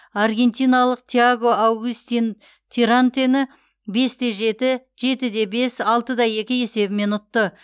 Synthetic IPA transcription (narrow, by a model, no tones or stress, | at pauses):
ɑrɡʲe̞nt̪ijnalˠəq̚t̪ʲʰiaɡˠo̞awɡust̪in | t̪ʰeɾant̪enɪ | be̞sd̪e̞ʒe̞t̪ɪ | ʒe̞t̪ɪd̪e̞be̞sɑlˠt̪əd̪ɑje̞kʲɪje̞se̞bɪme̞nʊt̪ːə